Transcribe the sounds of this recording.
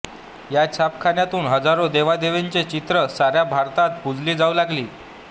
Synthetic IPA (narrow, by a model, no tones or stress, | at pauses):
jat͡ɕʰapkʰanjat̪uːnɦəd͡zaɾod̪eʋad̪eʋeɲt͡set͡ɕit̪ɾəsaɾjabʱaɾt̪at̪̚bud͡zʱliːd͡zaulaɡliː